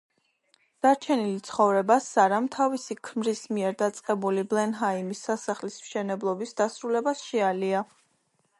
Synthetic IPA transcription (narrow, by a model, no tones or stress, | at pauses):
d̪̥aɾt͡ʃʰɛnilit̪sʰχɔvɾɛbasaɾamt̪ʰavisikʰmɾismiɛɾd̪at̪sʼqʼɛbuliblɛnɦaimisːasaχlismʃɛnɛblˠɔbisd̪asɾulɛbasʃɛalia